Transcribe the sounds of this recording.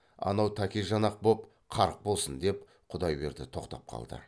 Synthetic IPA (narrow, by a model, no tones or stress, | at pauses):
ɑ̰nɑwt̪ʰækʲeʒɑnɑq̚bo̞p | qʰɑɾəq̚bo̞lˠsənd̪e̞p | qʰʊd̪ɑjbe̞̰ɾd̪ɪt̪ʰo̞qt̪ɑ̰p̚qʰɑ̰lˠd̪ə̰